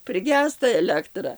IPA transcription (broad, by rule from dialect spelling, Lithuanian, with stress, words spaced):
pʲrʲɪˈɡʲæːstɐ ɛˈlʲæːktrɐ